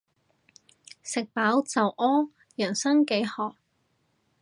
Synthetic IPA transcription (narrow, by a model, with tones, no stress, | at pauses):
sɪ˨k̚paː˨˥wt͡sɐ˨wʔɔː˥ | jɐː˨˩nsɐ˥ŋke˨˥jhɔː˨˩k̚